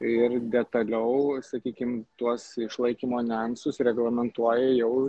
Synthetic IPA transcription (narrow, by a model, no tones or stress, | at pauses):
ɪrd̪ʲɛt̪ɐlʲɛʊsɐkʲiːkʲɪmt̪uɔsɪʃlˠɐɪkʲimoːnʲɛnsʊsɾʲɛɡlˠɐmʲɛnt̪uɔjɛjɛʊ